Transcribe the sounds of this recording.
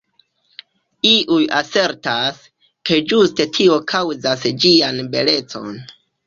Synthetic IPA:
iʔujase̞ɾtas | ke̞d͡ʒuste̞tʰio̞kʰawzasd͡ʒianbe̞le̞t͡so̞̰n

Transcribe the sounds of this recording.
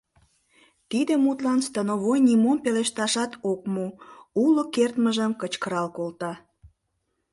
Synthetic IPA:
t̪id̪emut̪lɑnst̪ənoβojnimompeleʃt̪ɑʃɑt̪okmuulokert̪məʒəmkət͡ɕkəɾɑlkolt̪ɑ

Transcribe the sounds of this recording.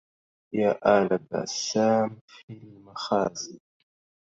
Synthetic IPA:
jaʔalaba̰samfinmaχaːzi

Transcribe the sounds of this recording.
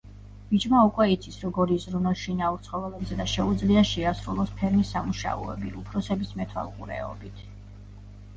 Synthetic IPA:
b̥id͡ʒmaukʼwɛit̪sʰisɾɔɡɔɾizɾunɔʃinauɾt̪sʰχɔvɛlɛbzɛd̪aʃɛud̪zliaʃɛasɾulˠɔspʰɛɾmisːamuʃa̰ɔ̰ɛ̰bḭʔupʰɾɔsɛbismɛt̪ʰwa̰lˠqʼṵɾɛ̰ɔ̰bit̪ʰ

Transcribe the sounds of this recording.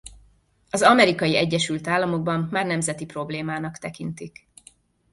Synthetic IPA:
ɒzɒmɛɾikɒjiɛɟːɛʃylt̪aːlːɒmo̞ɡ̚bɒmːaːrnɛmzɛt̪ipro̞bleːmaːnɒkt̪ɛkint̪ik

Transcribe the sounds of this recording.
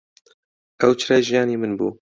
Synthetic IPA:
ʔɛwt͡ʃʰɾɛjʒijɑːniːmɨnbṵː

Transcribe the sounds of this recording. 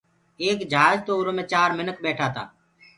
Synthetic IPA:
eːkd͡ʒʱəaːzt̪oːɾoːmẽːt͡ʃaːɾmɪnək̚beːʈʰaːt̪a̰ː

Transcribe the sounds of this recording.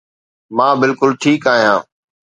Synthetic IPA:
mãːbɪlkʊlʈʰiːkaːɦijãː

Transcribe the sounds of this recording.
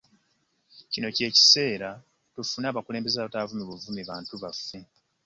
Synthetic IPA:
cino̞ce̞ːci̥se̞ːɾa | tufunaːβakule̞ːmbe̞zaːβatavumiβuvumiβaːntuβafːe̞

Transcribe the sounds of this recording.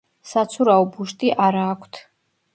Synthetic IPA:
sat̪sʰuɾaɔbuʃt̪ʼiʔaɾaːkʷʰt̪ʰ

